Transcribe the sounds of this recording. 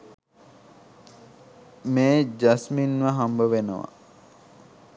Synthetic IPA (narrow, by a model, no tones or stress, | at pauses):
meːd͡ʒasminʋaɦambəʋenəʋa̰